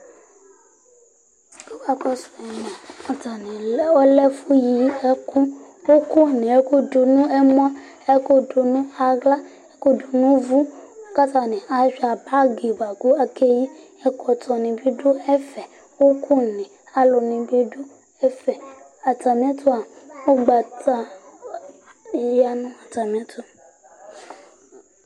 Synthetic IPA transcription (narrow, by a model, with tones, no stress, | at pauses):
kɔ˦ka˨kɔ˦sɛ˨mɔ̃˨ɔ˨ta˨nĩ˨˦o˦lɛ˦fu˦ji˨˦e˦kũ˦ | wo˦ku˦˨nĩ˨e˦ku˦do˨nũ˦e˦m˦a˦ | e˦ko˦do˨nũ˦a˨ɡla˦ | e˦ko˦do˨nũ˦vu˦ka˦ta˨nĩ˨ʔa˨ʒᶣi˨a˨ba˦ɡe˨ba˨ɡu˦a˨ke˦ji˦ | ɛ˦kɔ˨tɔ˨nĩ˨bi˦ɖu˦ɛ˦fɛ˨ | wo˦kʰu˦˨nẽ˨ | a˨lo˨nĩ˨be˦ɖu˦ | ɛ˦fɛ˨ | a˨ta˨mĩ˦a˦tʰo˦a˨wo˦ɡ͡ba˨ta˨ | ja˨nũ˦a˨ta˨mĩ˨˦a˦t̪o˦˨